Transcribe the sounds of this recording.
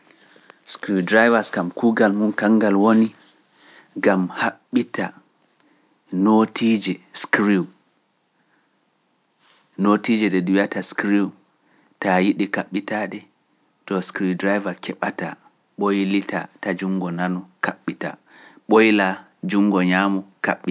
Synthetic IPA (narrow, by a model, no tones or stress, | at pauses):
skɾiwdɾajvaskamkuɡalmunkaŋɡalwoni | ɡamhaɓːita | notid͡ʒɛskɾiw | notid͡ʒɛɗɛɗujataskɾiw | tajiɗikaɓːitaɗɛ | tɔskɾiwdɾajvakʰɛɓata̰ | ɓojlitʰa̰tad͡ʒuŋɡɔnanɔkaɓːita̰ | ɓojla | d͡ʒuŋɡɔɲamɔkaɓːi